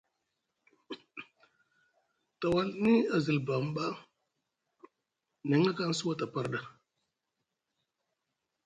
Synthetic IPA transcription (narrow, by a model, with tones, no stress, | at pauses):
ta˨wa˦ni˦a˨zi˨lba˨m˦ba˦ | ne˨˦ŋla˦ka˦n˦su˦wa˦ta˨pa˦ɾda˦